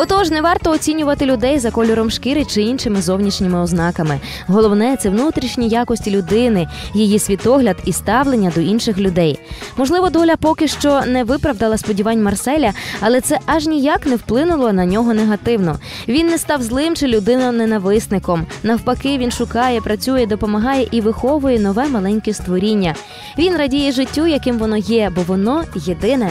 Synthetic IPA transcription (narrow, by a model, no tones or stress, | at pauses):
ɔt̪ɔʒnɛʋɑrt̪ɔːt͡sʲinʲʊʋɐt̪ɪlʲʊd̪ɛjzɐkɔlʲɔɾɔmʃkɪɾɪt͡ʃɪinʃɪmɪzɔwnʲiʃnʲɪmɪɔznɑkɐmɪ | ɦɔlˠɔwnɛt̪sɛwnut̪ɾʲiʃnʲijakɔsʲtʲilʲʊd̪ɪnɪjijisʲʋʲit̪ɔɦlʲɐd̪ist̪ɑwlˠenʲːɐd̪ɔinʃɪxlʲʊd̪ɛjmɔʒlˠɪʋɔd̪ɔlʲɐpɔkɪʃt͡ʃɔnɛʋɪpɾɐwd̪ɐlˠɐspɔdʲiʋɑnʲmɐrsɛlʲɐɐlˠɛt̪sɛʔɐʒnʲijaknɛwplˠɪnʊlˠɔnɐnʲɔɦɔneɦɐt̪ɪwnɔ | ʋʲinːɛst̪ɑwzlˠɪmt͡ʃɪlʲʊd̪ɪnʊnenɐʋɪsnɪkɔmnɐwpɐkɪʋʲinʃʊkɑjɛpɾɐt͡sʲujɛd̪ɔpɔmɐɦɑjɛʔiʋɪxɔʋʊjɛnɔʋɛmɐlˠɛnʲkʲɛst̪ʋɔɾʲinʲːɐ | ʋʲinrɐdʲijɛʒɪtʲːujɐkɪmʋɔnɔjɛbɔʋɔnɔjed̪ɪnɛ